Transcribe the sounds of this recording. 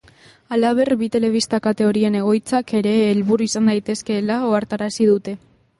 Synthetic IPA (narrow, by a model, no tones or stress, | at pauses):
alaβ̞e̞rbit̪e̞le̞β̞ist̪akat̪e̞o̞ɾie̞ne̞ɣ̞o̞jt͡sake̞ɾe̞ːlβuɾuisand̪ajt̪e̞ske̞lao̞aɾt̪aɾasiðut̪e̞